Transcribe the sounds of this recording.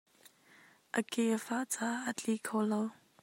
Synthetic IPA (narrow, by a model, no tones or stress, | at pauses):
ʔəkeəfaʔt͡saət͡ɬʼikʰowlow